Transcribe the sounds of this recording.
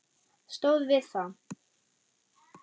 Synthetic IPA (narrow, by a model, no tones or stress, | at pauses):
st̪owðvɪθa